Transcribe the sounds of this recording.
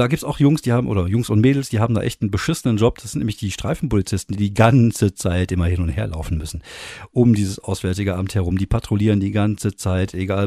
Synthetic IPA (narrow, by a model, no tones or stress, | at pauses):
d̥aːɡiːp̚tsaʊxjʊŋsd̥iːhaːbmʔo̰ːdɐjʊŋsʊntmeːdl̩sd̥iːɦaːm̩da̰ʔɛçtn̩bəʃɪsənənd͡ʒɔp̚d̥asɪntnɛːmlɪçd̥iːʃtʁ̥aɪfn̩polit͡sɪstn̩d̥iːdiːɡant͡sət͡saɪtʔɪmɐhɪnʊntheːɐla̰ʊfn̩mʏsn̩ʔʊmdiːzəsʔaʊsv̥ɛːɐtɪɡəʔa̰bm̩thɛɐʁʊmdiːpʰatʁ̥oliːʁ̞əndiːɡant͡sət͡saɪtʰʔeɡaːl